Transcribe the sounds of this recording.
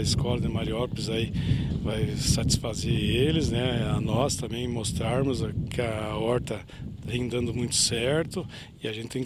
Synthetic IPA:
ɪskɔlɐd̪ɪmaɾiɔɾpɪzaivajsat͡ʃi̥sfazeelɪznɛanɔst̪ɐ̃mbẽj̃most̪ɾaɾmʊzkʰɪɐɔɾt̪ɐ | hẽnd̪ɐ̃nd̪ʊmũj̃t̪ʊ̥sɛɾt̪ʊ | ɪɐʒẽɪt̪ẽ

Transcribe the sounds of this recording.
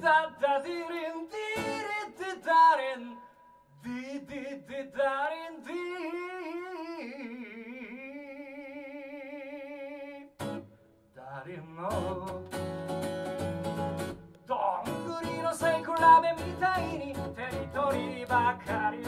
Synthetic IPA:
d̪ad̪ad̪iɾind̪iɾid̪id̪aɾen | d̪id̪id̪id̪aɾend̪i | d̪aɾinːɔ | d̪ɔŋɡuɾinosɛjkulabemit̪ainit̪ɛrit̪ɔɾiibakʰaɾi

